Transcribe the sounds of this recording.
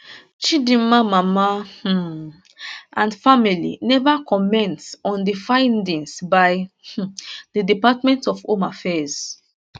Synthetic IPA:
t͡ʃidĩmamama | ʔãnfamilḭnɛvakʰɔmɛ̃ntsɔ̃ndifãɪ̃ndĩŋsbaj | dədipatmɛ̃ntɔfõmafɛz̥

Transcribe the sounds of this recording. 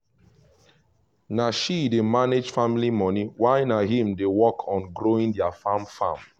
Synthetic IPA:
naʃidemaned͡ʒfamilimɔniwaɪnaɦĩmdewɔkʰɔ̃nɡɹoĩndɛafãmfã̰m

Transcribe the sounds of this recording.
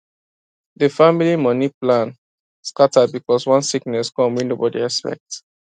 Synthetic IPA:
ðəfamilimɔniplãn | skatad̚bikɔswʌ̃nsiknɛskɔ̃mwinobɔdḭɛspɛ̰k̚t

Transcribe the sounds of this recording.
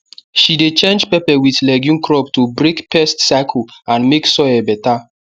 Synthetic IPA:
ʃidet͡ʃẽnd͡ʒpɛpɛwiθlɛɡjũnkɹɔptubɹekpɛstsakʰlãnmeksɔɛbɛta

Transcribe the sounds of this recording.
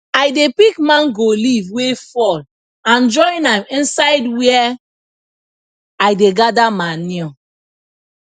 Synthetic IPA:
ajdepikmãnɡolivwefɔl | ãnd͡ʒɔ̃ĩnãmĩnsaɪdwɛɛ | ajdeɡadamanĩ

